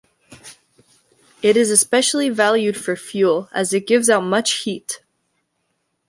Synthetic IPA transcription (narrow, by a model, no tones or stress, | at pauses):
ɪɾɨzɨspɛʃl̩ˠivælˠjʉd̥fə˞fjulˠɨzɨt̚ɡ̥ɪvzaʊt̚mʌt͡ʃhit